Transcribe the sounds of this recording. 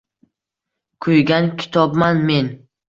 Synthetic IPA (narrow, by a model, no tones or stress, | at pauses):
kʰɵjɡʲankʲʰɪ̥t̪ʰɒbmanme̞n